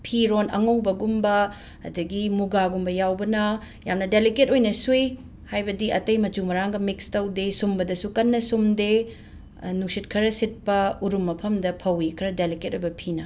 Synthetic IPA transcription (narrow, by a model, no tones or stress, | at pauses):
pʰiɾonɐ̰ŋɐwbɐɡumbɐ | ɐ̰dɐɡimuɡaɡumbɐjawbɐnɐ | jamnɐdeliketojnɐsuj | hajbɐdiɐtɐjmɐt͡ʃumɐɾaŋɡɐmikstɐwdesumbɐdɐsukɐnːɐsumde | nuksit̚kʰɐɾɐsit̚pɐuɾumːɐpʰɐmdɐpʰɐwikʰɐɾɐdeliket̚ojbɐpʰinɐ